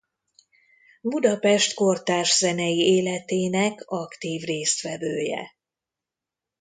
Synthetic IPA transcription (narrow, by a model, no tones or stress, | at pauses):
bud̪ɒpɛʃt̪ko̞rt̪aːʒzɛnɛjieːlɛt̪eːnɛkɒkt̪iːvreːst̪fɛbøːjɛ̰